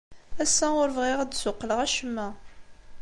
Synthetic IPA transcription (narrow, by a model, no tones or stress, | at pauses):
æsːæʊɾvʁiʁd̪sʊqːləʁæʃəmːæ